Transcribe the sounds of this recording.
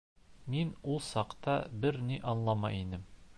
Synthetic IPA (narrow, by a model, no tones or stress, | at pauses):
minulˠsɑqt̪ɑbɘɾniʔɒnlˠɑmɑ̰jinɘm